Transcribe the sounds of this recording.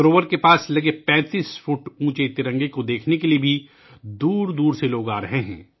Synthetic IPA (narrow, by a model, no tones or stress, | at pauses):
bɾoːʋəɾkepaːslɐɡepɛ̃ːt̪iːsfuːʈũːt͡ʃet̪ɪɾə̃ŋɡekod̪eːkʰnekeliebʱi | d̪uːɾd̪uːɾseloːɡaːɾɐɦeɦɛ̰̃ː